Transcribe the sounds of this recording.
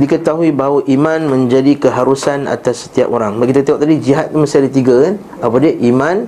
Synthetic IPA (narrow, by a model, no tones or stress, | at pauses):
dikət̪aɦuibaɦwaʔimãnmə̃ɲd͡ʒadikəɦaɾusana̰t̪asːə̥t̪ia̰poɾaŋbaʔkit̪akt̪eaʔ̚t̪adid͡ʒiɦat̪̚kanməsadət̪iɡakan | apadiəʔimãn